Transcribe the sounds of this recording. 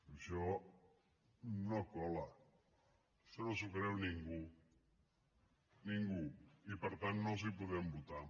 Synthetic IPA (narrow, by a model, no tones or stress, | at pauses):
əʃɔ | nokɔlə | ʃɔnosukɾɛwniŋɡu | niŋɡuipəɾt̪anːozipuðɛmbut̪a